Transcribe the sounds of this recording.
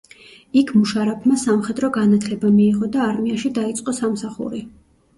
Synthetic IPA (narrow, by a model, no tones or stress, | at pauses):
ikʰmuʃaɾapʰmasamχɛd̪ɾɔɡanat̪ʰlɛbamiːʁɔd̪aːɾmiaʃid̪ait̪sʼqʼɔsamsaχṵɾi